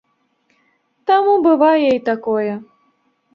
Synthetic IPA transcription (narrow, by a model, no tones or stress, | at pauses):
t̪amubɨvajɛit̪akɔjɛ